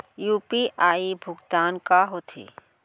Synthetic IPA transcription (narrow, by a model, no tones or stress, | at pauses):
juːpiʔaːibʱʊɡd̪aːnkaɦot̪ʰḭː